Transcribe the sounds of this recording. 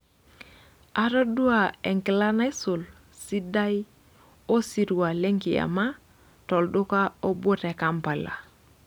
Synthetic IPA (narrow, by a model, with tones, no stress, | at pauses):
a˨ɾo˦du˦a˨ɛ˨ŋki˨la˦na˦i˦su˨l | si˦da˦j | o˦si˨ɾu˨wa˨le˦ŋki˨a̰˨ma˦ | tɔ˨ldu˦ka˦o˦bo˦tɛ˨ka˦mpa˨la̰˨